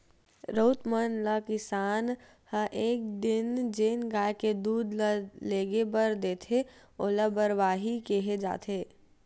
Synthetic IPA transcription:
ɾoːt̪mənləkɪsaːn | hə̃ʔeːk̚d̪ɪnd͡ʒeːnɡaːjked̪uːd̪leːɡebəɾd̪eːt̪ʰe | oːləbəɾʋaːɦikeɦed͡ʒa̰ːt̪ʰeː

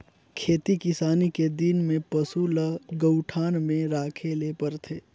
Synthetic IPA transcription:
kʰeːt̪ikɪsaːniked̪inmẽpɐsuləɡəʊʈʰaːnmẽɾaːkʰeleːpəɾt̪ʰeː

